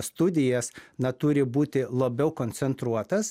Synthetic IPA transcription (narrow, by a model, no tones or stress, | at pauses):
st̪ʊd̪ʲɪjɛsnɐt̪ʊɾʲɪbuːt̪ʲɪlˠɐbʲɛʊkonʲsʲɛnt̪ɾuɔt̪ɐs